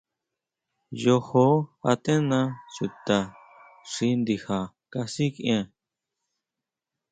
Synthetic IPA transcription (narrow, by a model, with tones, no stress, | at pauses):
jo˧ho˦a̰˧t̪ẽ˦nã˧su˨t̪a˨ | ʂi˧nd̪i˧ha˨ | ka˧si˦kẽ˧